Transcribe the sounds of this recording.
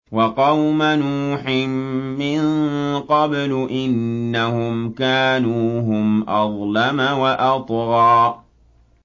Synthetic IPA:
wɑqɑwmanuːħɪmːɪŋqɑblʊʔɪnːahʊmkaːnuːɦʊmʔɑðˤlamawaʔɑt̪ˤɣɑː

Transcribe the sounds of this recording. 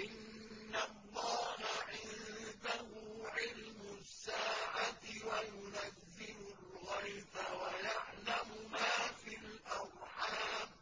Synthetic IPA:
ʔɪnː | alˤːɑːɦaʕɪnd̪ahuːʕɪlmʊsːaːʕat̪wajʊnazːɪlʊlɣajbawajaʕlamʊmaːfilʔɑɾˤħaːm

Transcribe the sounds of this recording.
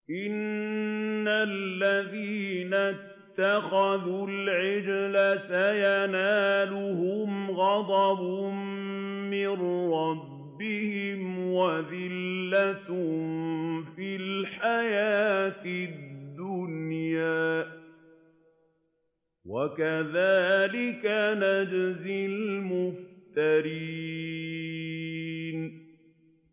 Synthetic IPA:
ʔɪnː | alːaðiːna | t̪ːaxaðulʕɪd͡ʒlasajanaːlʊhʊmɣɑd̪ˤɑbʊmmɪnɾˤɑbːɪhɪmwaðɪlːat̪ | filħajaːt̪ɪd̪ːʊnnjaː | wakaðaːlɪkanad͡ʒzɪlmʊft̪aɾi | n

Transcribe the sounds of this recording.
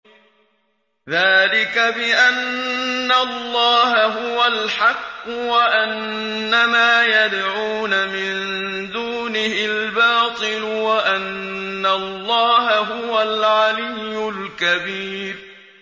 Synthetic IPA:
ðaːlɪkabɪʔanː | allˤːɑːɦaɦʊwalħɑqːʊwaʔanː | amaːjad̪ʕuːnamɪn | d̪uːnɪhɪlbɑːt̪ˤɨlʊwaʔanːalˤːɑːɦaɦʊwalʕalɪjːʊlkabiːɾ

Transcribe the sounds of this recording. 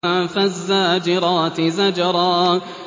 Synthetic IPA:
afazːaːd͡ʒɪɾˤɑːt̪ɪzad͡ʒɑɾˤɑː

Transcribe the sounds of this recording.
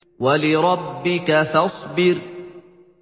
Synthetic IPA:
walɪɾˤɑbːɪkaθɑsˤbɪɾ

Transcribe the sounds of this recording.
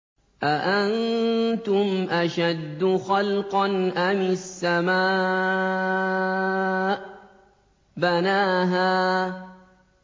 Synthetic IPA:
ʔaʔant̪ʊmʔaʃad̪ːʊxɑlqɑnʔamɪsːamaː | ʔ | banaːɦaː

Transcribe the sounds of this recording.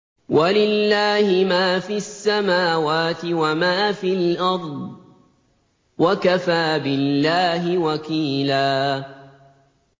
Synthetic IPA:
walɪlːaːhɪmaːfiasːamaːwaːt̪ɪwamaːfilʔɑɾˤd̪ˤ | wakafaːbɪlːaːɦɪwakiːlaː

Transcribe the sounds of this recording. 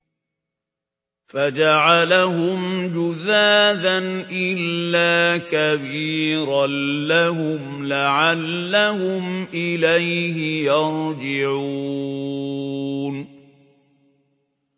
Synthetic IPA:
fad͡ʒaʕalaɦʊmd͡ʒʊzaːdanʔɪlːaːkabiːɾaːaɦʊm | laʕalːahʊmʔɪlajɦɪjɑɾd͡ʒɪʕuː | n

